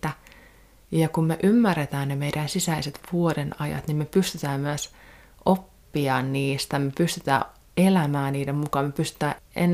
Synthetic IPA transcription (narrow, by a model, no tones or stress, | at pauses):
t̪æ | jɑkummeʔymːærːet̪æːnnemeiɾænsisæiset̪ʋuoɾenɑjɑ̰t̪nimmepyst̪yt̪æːmmyæs | ʔopːiɑːnniːst̪æmepyst̪yt̪æ̰ː | elæmæːnniːdemmukɑːmepyst̪y̥t̪æːʔen